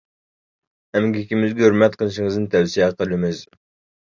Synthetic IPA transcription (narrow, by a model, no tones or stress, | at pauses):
ɛmɡʲikʲimɪzɡʲɛhøɾmɛt̪̚qʰəlˠɨʃiŋɨzd̪nt̪ʰɛwsiɛqəlˠɪmɪz̥